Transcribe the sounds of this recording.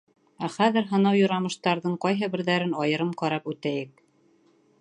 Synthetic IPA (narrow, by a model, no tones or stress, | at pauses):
æχæðɘɾɦɤ̆nɑwjŏɾɑmɤ̆ʃt̪ɑɾðɤɴqɑjɦɤbɘ̆ɾðæɾɘnɑjɤ̆ɾɤmqɑɾɑpʉt̪æjɘk̚